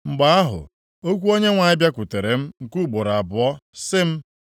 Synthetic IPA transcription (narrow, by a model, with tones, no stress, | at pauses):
ŋ͡m̩˨ɡ͡ba˨a˦ɦʊ̰˨ | o˦kʷu˦o˦ɲe˦ŋʷa˨ɪ˦bja˦kʷu˨te˨ɾe˨m̩˦ŋ̩˨ku˦˨bo˨ɾa˨bʊ˨ɔ˦sɪ˦m̩˦